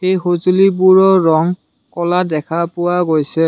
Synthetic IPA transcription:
xejxozulibuɹɔɹɔŋ | kɔladɛkʰapʊwaɡojsɛ

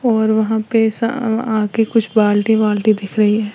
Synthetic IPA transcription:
ɔːɾʋɐɦãpesa̰aːkikʊt͡ʃʰbaːlʈiʋaːlʈid̪ɪkʰɾɐɦiɦɛː

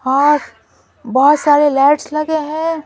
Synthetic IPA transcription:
hãː | bɐɔɦʊt̪saːɾelɛːʈslɐɡeɦɛ̃ː

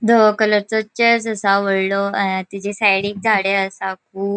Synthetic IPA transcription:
d̪ʱokələɾt͡sot͡ɕəsəsãʋəɽloət̪id͡ʑesajɽĩŋ̚d͡zʱaɽeəsãkʰuːb

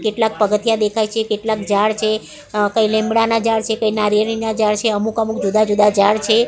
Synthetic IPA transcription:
keʈlak̚pəɡət̪ijad̪ekʰajt͡ʃʰekeʈlakd͡ʒaɽt͡ʃʰe | kəilẽmbɽanad͡ʒaɽt͡ʃʰekəinaɾəɽinad͡ʒaɽt͡ʃʰeəmukəmukd͡ʒud̪ad͡ʒud̪ad͡ʒaɽt͡ʃʰe

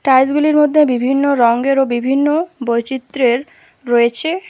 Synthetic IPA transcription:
ʈajs̬ɡuliɾmod̪ʱːebibʱinːoɾɔŋɡeɾobibʱinːobojt͡ɕit̪ːɾeɾː | oet͡ɕʰe

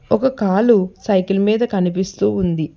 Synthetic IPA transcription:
ɔkɐkaːlusɐjkilmiːd̪ɐkɐnipist̪uːund̪i

